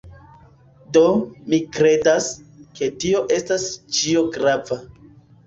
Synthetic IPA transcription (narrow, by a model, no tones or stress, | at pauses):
do̞mikɾe̞daske̞tio̞ʔe̞stast͡ʃio̞ɡɾava